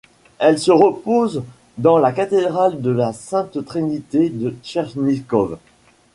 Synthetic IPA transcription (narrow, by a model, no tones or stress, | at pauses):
ɛlsəʁəpoz | d̪ɑ̃lakat̪ed̪ʁald̪əlasɛ̃t̪t̪χinit̪ed̪əʃɛʁʒnikɔv